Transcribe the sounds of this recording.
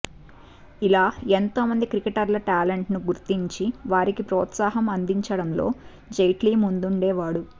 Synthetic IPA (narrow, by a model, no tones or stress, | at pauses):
ilaːent̪o̞ːmɐnd̪ikɾikeʈɐɾlɐʈaːleɳʈnuɡuɾt̪iɲt͡ʃiʋaːɾikipɾɔːt̪saːɦɐmɐnd̪iɲt͡ʃɐɽɐmlo̞̰ː | d͡ʒɐjʈliːmund̪uɳɖeːʋaːɽu